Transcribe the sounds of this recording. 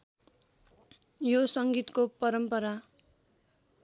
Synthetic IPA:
josʌŋɡit̪kopʌɾʌmpʌɾa

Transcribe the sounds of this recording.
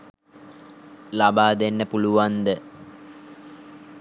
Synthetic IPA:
labaːd̪enːəpuluʋand̪ə

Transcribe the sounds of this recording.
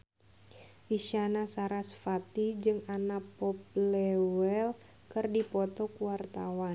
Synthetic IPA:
ʔiʃanasaɾasfat̪id͡ʒɨŋanapɔp̚lɛwɛl | kɨrdipɔt̪ɔkuwart̪awan

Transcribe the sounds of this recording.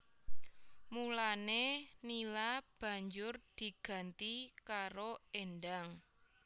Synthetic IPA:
mulanenilab̥ä̤ɲd͡ʒʊrd̪̥i̤ɡ̥ä̤nt̪ikaɾoeɳɖaŋ

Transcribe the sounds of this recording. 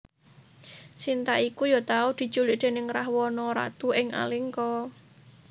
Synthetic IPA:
sint̪aʔikujɔt̪aud̪̥i̤̥t͡ʃulɪʔd̪̥e̤nɪŋɾahwɔnɔɾa̰t̪uɪŋa̰lɪŋkɔ

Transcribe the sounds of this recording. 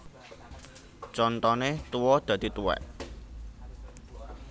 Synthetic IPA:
t͡ʃɔnt̪ɔnet̪uwɔd̪̥ä̤d̪̥i̤t̪uɛ̰ʔ

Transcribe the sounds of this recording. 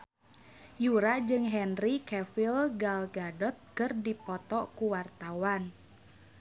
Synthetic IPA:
juɾad͡ʒɨŋɦɛnrikɛfilɡalɡadɔt̪̚kɨrdipɔt̪ɔkuwart̪awan

